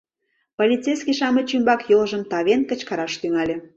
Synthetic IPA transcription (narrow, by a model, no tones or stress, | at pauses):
polʲitt͡sejskiʃɑmət͡ɕymbɑkjolʒə̆mt̪ɑβenkə̆t͡ɕkɑɾɑʃt̪yŋɑlʲĕ